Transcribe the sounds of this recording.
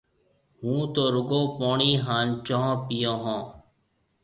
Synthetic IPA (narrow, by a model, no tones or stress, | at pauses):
ɦũːt̪oːɾʊɡõːpoːɳiːɦaːnt͡ʃõːɦːpijõːɦõː